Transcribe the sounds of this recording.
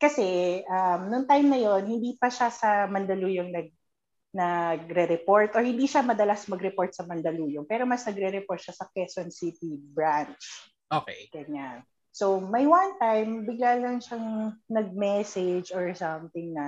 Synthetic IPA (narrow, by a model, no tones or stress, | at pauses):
kɐsɛʔɐmnʊŋt̪ajmnɐjo̞nhɪnd̪iːpɐʃasɐmɐnd̪ɐluːjoŋnɐɡ̚ | nɐɡ̚ɾɛɾɛpoɹt̪ʔɔɹhɪnd̪iːʃamɐd̪ɐlasmɐɡɾɛpoɹt̪̚sɐmɐnd̪ɐluːjoŋpɛːɾomɐsnɐɡɾɛɾɛpoɹt̪̚ʃasɐkɛsɔnsit̪ibɹant͡ʃ | ʔokeɡɐɲan | somɐjwant̪ajmbɪɡlalɐŋʃɐŋnɐɡ̚mɛsɛd͡ʒɔɹsɐmt̪ɪŋnɐ